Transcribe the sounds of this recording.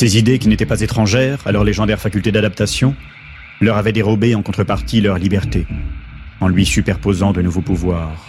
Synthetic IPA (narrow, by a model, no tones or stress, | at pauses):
sezid̪ekʲinet̪ɛpazet̪χɑ̃ʒɛʁalɔʁleʒɑ̃d̪ɛʁfakʲylt̪ed̪ad̪apt̪asjɔ̃ | lœʁavɛd̪eʁɔbeɑ̃kɔ̃t̪χəpaʁt̪ilœʁlibɛʁt̪e | ɑ̃lɥisypɛʁpozɑ̃d̪ənuvopuvwaːʁ